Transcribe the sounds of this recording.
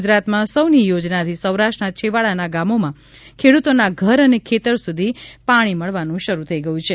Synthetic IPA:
d͡ʒɾat̪mãsəwnijod͡ʒnat̪ʰisəwɾaʃʈnat͡ʃʰeʋaɭanaɡamomã | kʰeɽut̪onaɡʱəɾənekʰet̪əɾsud̪ʱipaɽ̃iməɭʋanũʃəɾut̪ʰəiɡəjũt͡ʃʰe

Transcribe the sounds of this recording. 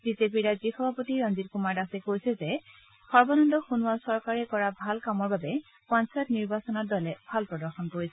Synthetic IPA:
bizep̬iɹazixɔbʱapotiɹɔnzitkumaɹdasɛkojsɛzɛ | xɔɹbɔnɔndɔxunʊasɔɹkaɹɛkɔɹabʱalkamɔɹbabɛ | pɔnsajtniɹbasɔnɔt̚dɔlɛbʱalpɹɔdɔɹxɔnkoɹisɛ

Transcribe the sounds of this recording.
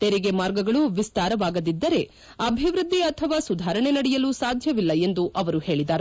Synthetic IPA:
t̪eɾiɡemaːɾɡɐɡɐɭuʋist̪aːɾɐʋaːɡɐd̪id̪ːɐɾe̞ | ɐbʱiʋɾud̪ːiɐt̪ʰɐʋaːsud̪ʱaːɾɐɳenɐɽɛjɐlusaːd̪ʱjɐʋilːɐe̞nd̪uʔɐʋɐɾuhe̞ːɭid̪aːɾe

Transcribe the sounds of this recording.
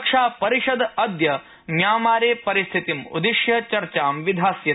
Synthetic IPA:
kʂaːpɐɾiʂɐd̪ɐd̪jɐ | mjaːmaːɾeːpɐɾist̪ʰit̪imṵd̪iʃjɐt͡ʃɐɾt͡ʃaːmʋid̪ʱaːsjɐ

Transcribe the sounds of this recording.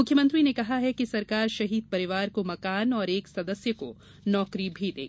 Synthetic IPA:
mʊkʰːjəmɐ̃nt̪ɾinekɐɦaɦɛkisɐɾkaːɾʃɐɦiːd̪̚pɐɾɪʋaːɾkomɐkaːnɔːɾeːksɐd̪əsjəko̰ | nɔːkɾibʱid̪ḛːɡ

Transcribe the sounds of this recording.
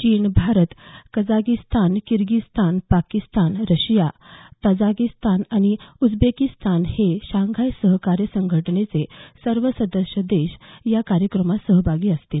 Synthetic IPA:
t͡ɕiːnbʱaɾət̪kəd͡zakist̪ʰankiɾɡist̪ʰanpakist̪anɾəɕjat̪əd͡zakist̪anaɽ̃iud͡zbekist̪anheɕãŋɡʱajsəɦkaɾjəsəŋɡʱəʈəɳet͡sesəɾʋəsəd̪əɕjəd̪eɕjakaɾjəkɾəmasəɦbʱaɡiːəst̪il

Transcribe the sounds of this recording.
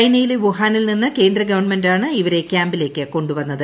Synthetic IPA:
jnɐjileʋuɦaːnilninːɐke̞ːnd̪rɐɡɐʋɐɳmendaːɳɨiʋɐɾe̞kʲjaːmbile̞ːkːɨko̞ɳɖuʋɐnːɐðɨ

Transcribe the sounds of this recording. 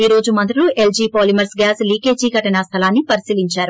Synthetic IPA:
iːɾo̞ːd͡ʒumɐnd̪ɾuluʔe̞ld͡ʒiːpoːlimɐɾsɡaːsliːke̞ːd͡ʒiːɡɐʈɐnɐst̪ʰɐlaːnːipɐɾisiːliɲt͡ʃaːɾu

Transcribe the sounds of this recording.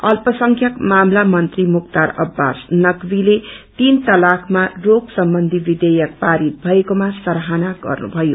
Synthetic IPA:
ʌlpʌsʌŋkʰjʌkmamlamʌnt̪rimukt̪aɾʌ̰bːasnʌkbilet̪int̪ʌlakʰmaroɡsʌmbʌnd̪ʱibid̪ʌjʌk̚paɾit̪̚bʱʌekomasʌɾɦanaɡʌ̰rnṵbʱʌjo

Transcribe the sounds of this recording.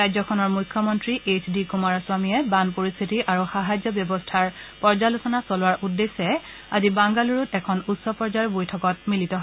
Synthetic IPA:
ɹajzɔkʰɔnɔɹmujkʰːjɔmɔntɹiʔetʰdikumaɹaswamijɛbanpoɹist̪ʰitiʔaɹuxaɦazjɔbjɔbɔstʰaɹpɔɹzalusɔnasɔlʊwaɹʔudːesːɛ | azibaŋɡaluɹutɛkʰɔnutsɔpɔɹzaɹbojtʰɔkɔt̚militɔɦɔ

